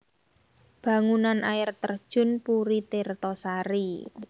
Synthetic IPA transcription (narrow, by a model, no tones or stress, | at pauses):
b̥a̤ŋunanʔajɪrt̪ərd̥ʒ̥ʊ̤npuɾit̪ert̪ɔsaɾi